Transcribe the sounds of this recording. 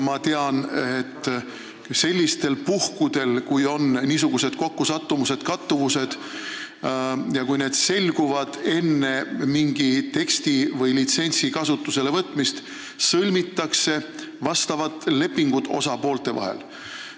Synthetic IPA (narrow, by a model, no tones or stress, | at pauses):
mɑt̪e̞ɑnet̪ːˑ | se̞lʲːist̪e̞lpuhkud̪̥e̞lkujo̞nniːsuɡ̥use̞d̪̥ko̞kːusɑt̪ːumuse̞d̪̥kɑt̪ːuvuse̞d̪̥ | jɑkujne̞ːd̪̥se̞lʲɡuvɑd̪̥e̞nːe̞miŋɡ̥it̪e̞kst̪ivɤjlit̪se̞nʲsikɑsut̪ːˑuse̞levɤt̪ːˑmist̪ | sɤlʲmit̪ːˑɑkse̞ | vɑst̪ɑvɑt̪ːˑle̞pːiŋɡ̥ut̪o̞sɑpo̞ːlt̪e̞vɑ̰ɦḛl